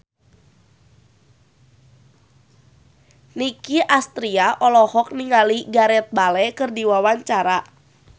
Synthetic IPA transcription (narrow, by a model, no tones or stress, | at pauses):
nikiʔast̪ɾiaʔɔlɔhɔk̚niŋaliɡaɾɛt̪̚balɛkɨrdiwawaɲt͡ʃaɾa